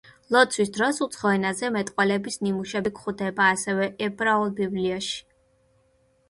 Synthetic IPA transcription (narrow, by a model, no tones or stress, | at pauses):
lˠɔt̪sʰwisd̪ɾɔsut̪sʰχɔɛnazɛmɛt̪ʼqʼwɛlɛbisnimuʃɛbikχud̪ɛbaːsɛvɛʔɛbʼɾaɔlˠbibliɔʃi̥